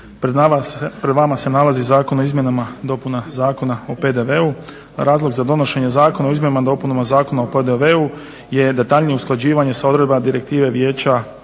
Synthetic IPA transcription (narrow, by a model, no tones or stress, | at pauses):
pɾed̪ʋamase̞nalˠazizaːko̞noizmjenamad̪o̞punazaːko̞naope̞d̪e̞ʋe̞u | ɾʔaːzlˠo̞ɡzad̪o̞no̞ʃe̞ɲe̞zaːko̞naizmjnamad̪o̞punamazaːko̞naoped̪eʋeu | je̞d̪e̞t̪aʎnijeusklˠad͡ʑiːʋaɲe̞sao̞d̪ɾe̞d̪bad̪iɾe̞k̚t̪iːʋe̞ʋje̞ːt͡ɕa